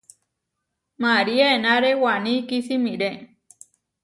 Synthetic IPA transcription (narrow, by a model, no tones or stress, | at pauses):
maɾiaenaɾewanikisimĩɾe